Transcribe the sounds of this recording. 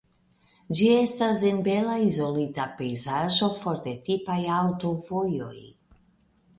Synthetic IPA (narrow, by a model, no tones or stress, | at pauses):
d͡ʒie̞stasenbe̞laizo̞litape̞jzaʒo̞fo̞ɾde̞tipajawto̞vo̞jo̞̰j